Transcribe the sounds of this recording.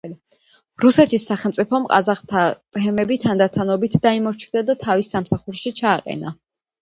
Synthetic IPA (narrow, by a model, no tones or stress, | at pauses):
ɾusɛt̪ʰisːaχɛlˠmt̪sʼipʰɔmqʼa̰zaχt̪ʰat̪ʼɛmɛbit̪ʰand̪at̪ʰanɔbit̪ʰd̪aimɔɾt͡ʃʰid̪ad̪at̪ʰavisːamsaχuɾʃit͡ʃʰaːqʼɛ̰na